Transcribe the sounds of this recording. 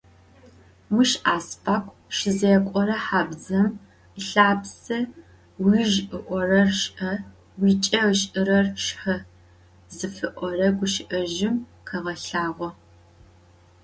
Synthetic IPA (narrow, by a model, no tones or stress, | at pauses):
mɨʃʔaːspʰʼaːkʷʰʼʃɪzɐkʷʼɔɾɐħaːbzɐm | ɬaːpsɐ | wɪʒʔɨʔʷɔrɐrʃʔɐ | wit͡ʃʼɐʃʔɨrɐrʃħɐ | zɨfɨʔʷɔrɐɡʷʊʃɪʔɐʒɪmqʰɐʁɐɬaːʁʷɔ